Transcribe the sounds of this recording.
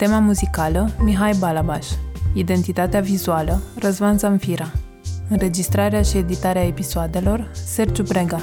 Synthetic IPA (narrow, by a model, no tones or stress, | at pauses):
t̪e̞mamuzikaləmiɦajbalaba̰ʃid̪e̞nt̪it̪at̪eavizualərəzvanzanfiɾa | ɨnre̞d͡ʒist̪ɾaɾeaʃie̞d̪it̪aɾeae̞pisoad̪e̞lo̞rserd͡ʒupɾeɡa